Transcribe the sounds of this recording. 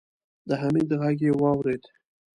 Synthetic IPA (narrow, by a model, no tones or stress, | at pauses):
d̪əɦamid̪əɣaɡewɑwɾed̪